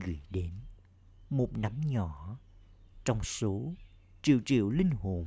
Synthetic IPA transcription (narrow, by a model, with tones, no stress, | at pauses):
ɣɨ̰˧˩jɗe˨˦n | mo˨˩t̚na˨˦mɲɔ˧˩˨ | t͡ɕɔ˧wŋ͡mso˨˦ | t͡ɕḭ˧˨əwt͡ɕḭ˧˨əwlï˧ŋ̟ho˧˩